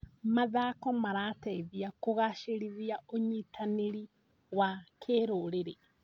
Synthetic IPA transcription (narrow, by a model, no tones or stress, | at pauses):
maðakɔmaɾatɛiðiakoɣaʃeɾiðiaoɲitʰaneɾi | wakʰeɾoɾeɾe